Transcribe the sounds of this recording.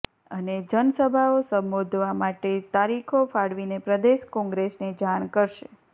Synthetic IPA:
əned͡ʒənəsəbʱaosəmbod̪ʱʋamaʈet̪aɾikʰofaɽʋinepɾəd̪eʃkɔ̃ŋɡɾesned͡ʒaɽ̃kəɾʃe

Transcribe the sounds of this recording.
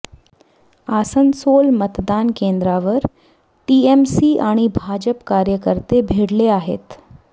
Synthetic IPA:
aːsənsoːlmət̪d̪aːnkẽːnd̪ɾaʋəɾ | ʈiːemsiʔaːɽ̃ibʱaːd͡ʑəpkaːɾjəkəɾt̪ebʱeːɽleaːɦḛːt̪

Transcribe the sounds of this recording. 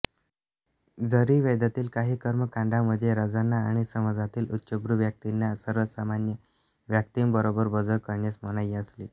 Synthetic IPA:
d͡zəɾiːʋed̪at̪iːlkaɦiːkəɾməkãɳɖʱaməd̪ʱːjeɾəd͡zanːaːɽ̃isəməd͡zat̪iːlut̪ːɕəbɾuʋjək̚t̪inːasəɾʋəsamanjə | ʋjək̚t̪iːmbəɾobəɾbəd͡zəlkəɾɳjasməɽ̃ajiəsliː

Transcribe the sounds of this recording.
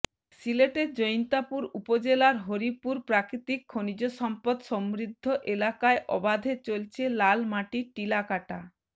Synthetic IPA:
sileʈeɾd͡ʑojnt̪apuɾupod͡ʑelaɾɦoɾipuɾpɾakɾit̪ikʰːonid͡ʑoʃɔmpod̪ʃɔmɾid̪ʱːoʔelakaeʔɔbad̪ʱet͡ɕolt͡ɕʰelalmaʈiʈilakaʈa

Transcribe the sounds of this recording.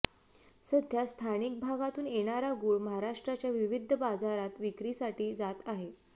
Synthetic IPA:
səd̪ʱjast̪ʰañik̚bʱaɡat̪uːnjeɽ̃aɾaɡuːɭməɦaɾaʂʈɾat͡ɕjaʋiʋid̪ʱːəbad͡zaɾat̪ʋikɾisaʈiːd͡zat̪aɦe

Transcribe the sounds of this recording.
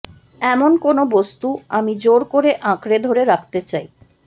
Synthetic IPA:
ɛmonkonobost̪uamid͡ʑoɾkoɾeʔãkɾed̪ʱoɾeɾak̚ʰt̪et͡ɕaj

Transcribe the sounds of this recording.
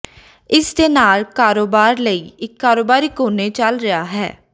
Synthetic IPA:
ɪsd̪eːnaːlkaːɾoːbaːɾləiːɪkːaːɾoːbaːɾiːkoːneːt͡ʃəlɾəaːɦɛ̰ː

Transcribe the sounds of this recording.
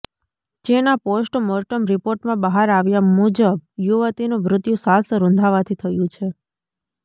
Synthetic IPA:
d͡ʒenaposʈmɔɾʈəmɾipoɾʈmãbəɦaɾaʋjamud͡ʒəbjuʋət̪inũbɾʊt̪jũsasɾʊ̃nd̪ʱaʋat̪ʰit̪ʰəjũt͡ʃʰe

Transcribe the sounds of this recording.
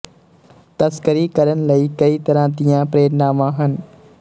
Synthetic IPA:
t̪ɐskəɾikəɾənɪ̆lɐikɐit̪ɐɾãːt̪ijãpɾeːəɾnaːmãːɦənɪ̆

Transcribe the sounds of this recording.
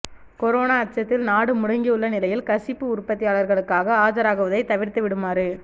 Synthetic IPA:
kɔɾoːnaːɐt͡ʃɐt̪ːɪlnaːɽɯmʊɽɐŋɡiʊɭːɐnɪlɐjɪlkɐsɪpːɯʊrpːɐt̪ːɪjaːɭɐɾɣɐɭɯkːaːɣɐaːd͡ʒɐɾaːɣɯʋɐðɐɪt̪ɐʋɪɾt̪ɯʋɪɽɯmaːɾɯ

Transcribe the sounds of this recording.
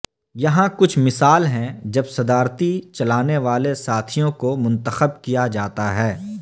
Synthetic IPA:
jɐɦãkʊt͡ʃʰmɪsaːlɦɛ̃d͡ʒɐbsɐd̪aːɾt̪it͡ʃɐlaːneʋaːlesaːt̪ʰijõkomʊ̃nt̪əxəb̚kijad͡ʒaːt̪aɦɛː

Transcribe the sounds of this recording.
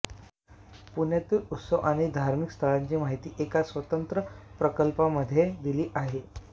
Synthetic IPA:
punjet̪iːut̪səwʔaɽ̃id̪ʱaɾmikst̪ʰəɭãɲt͡ɕiːmaɦit̪iːʔekasʋət̪ənt̪ɾəpɾəkəlpaməd̪ʱːjed̪iliːʔaɦe

